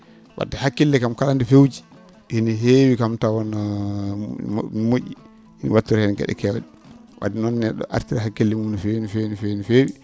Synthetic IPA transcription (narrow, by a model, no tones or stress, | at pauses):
wa̰dɛhakːilːɛkamkalandifewd͡ʒi | hiniɦewikamtawɔna | moʔi | inḭwatːuɾhɛnɡɛ̰ɗɛ̰kɛwa̰ɗi | wa̰dinɔnːɛɗɔ̰ʔa̰ɾtiɾaɦakːilːɛmunɔfenifenifewnifewi